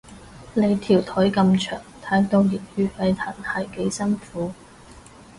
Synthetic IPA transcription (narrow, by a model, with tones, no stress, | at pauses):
le˨˧jt̪ʰiː˨˩wt̪ʰɵ˨˥jkɐ˧mt͡ʃʰœ̰ː˨˩ŋt̪ʰaː˨˥mt̪o˧wji˨˩ŋhyː˧fɐ˨˧jt̪ʰɐ˨˩nhɐ˨˩jke˨˥jsɐ˥nfuː˨˥